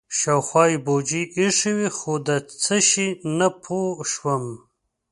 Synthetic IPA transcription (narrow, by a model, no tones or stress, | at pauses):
ʃawxwɑibod͡ʒiʔiʂiwixod̪ət͡səʃinapʰoʃwəm